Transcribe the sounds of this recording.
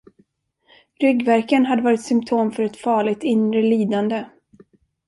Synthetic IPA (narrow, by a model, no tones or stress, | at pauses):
ɾʏɡvæɾkənɦad̪ːəvɑːɾɪt̪sʏmt̪ʰoːmfœɾɛt̪fɑːɭɪɡ̚t̪ɪnɾəliːd̪and̪ə